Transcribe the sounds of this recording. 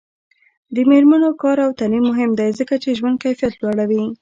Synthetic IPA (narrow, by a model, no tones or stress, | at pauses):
d̪əmeɾmanokɑɾawt̪alimːʊɦɪmd̪ajzəkat͡ʃeʒwand̪̚kajfijat̪lwaɽawi